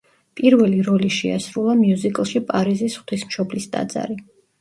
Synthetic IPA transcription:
pʼiɾvɛliɾɔliʃɛa̰sɾulˠamiuzikʼlˠʃipʼaɾizisχwt̪ʰismʃɔblisd̪ʼa̰d̪za̰ɾi

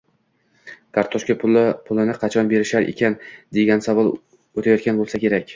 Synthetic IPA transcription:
kʰaɾt̪ʰɒʃkʲapʰʊlˠɪnɪqʰɑt͡ʃʰɒnbe̞ɾɪʃaɾʔḛkʲand̪e̞ɡʲansavɒlˠ | ot̪ʰajɒt̪kʲanbolˠsakʲe̞ɾakʲ

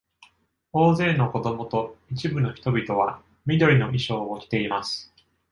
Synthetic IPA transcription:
o̞ːze̞ːno̞ko̞d̪o̞mo̞t̪o̞it͡ɕibɯ̟no̞çi̥t̪o̞bʲit̪o̞βa | mʲid̪o̞ɾʲino̞ʔiɕo̞ːokʲi̥t̪e̞imasɨ̥

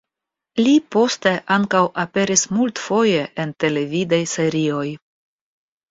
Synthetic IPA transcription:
lipo̞ste̞ʔaŋkawʔape̞ɾismultfo̞jeʔente̞le̞vidajse̞ɾio̞j

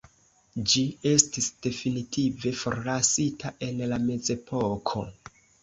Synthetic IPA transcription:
d͡ʒie̞stisd̥e̞finitʰive̞fo̰ɾlasitʰaʔe̞nlame̞ze̞pʰo̞kʰo̞̰

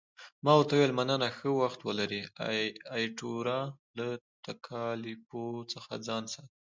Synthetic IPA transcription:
mɑwəɾt̪awelmanənaxəwaxt̪wəlaɾi | ɑjʈoɾɑlat̪akʰɑlɪpot͡səxa̰d͡zɑnsɑt̪i

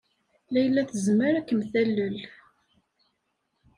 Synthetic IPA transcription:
læjəlːæθəzməɾækːəmθælːəl

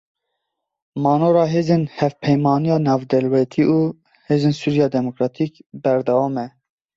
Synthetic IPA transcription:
mɑːnoːɾɑːɦeːzeːnhɛvpʰɛjmɑːnijɑːnɑːvd̪ɛlwɛt̪ʰiːʔuː | heːzeːnsuːɾijɑːd̪ɛmokɾɑːt̪ʰiːkbɛɾd̪ɛwɑːmɛ

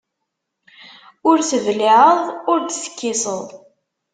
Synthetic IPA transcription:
ʊɾθəvlɪʕəðˤʊɾd̪θə̥kːɪsəðˤ

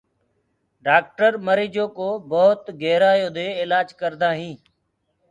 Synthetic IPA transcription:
ɖaːk̚ʈəɾməɾiːd͡ʒoːkoːboːt̪ɡeːɾaːjoːd̪eːɪlaːd͡ʒkəɾd̪aːɦĩː

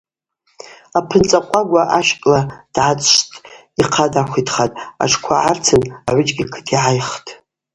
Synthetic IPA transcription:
apʰɨnt͡sʼaqʷʼaɡʷaʔaʃkʼlad̥ʕat͡sʼʂtʼ | iqʰadaχʷitʰχatʼa̰ʈ͡ʂʰkʷʰaʕart͡sʰɨnaʕʷʊt͡ʃʼɡʲikʰɨ̥tʰiʕajχtʰʼ

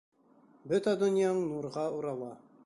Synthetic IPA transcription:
bɵt̪æd̪ɵ̆njɑɴnuɾʁɑuɾɑlˠɑ

